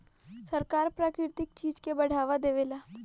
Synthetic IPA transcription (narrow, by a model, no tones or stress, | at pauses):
sɐɾkaːɾpɾaːkɾɪɾt̪ɪk̚t͡ʃiːd͡ʒkebɐɽ̤aːʋad̪eːʋeːlaː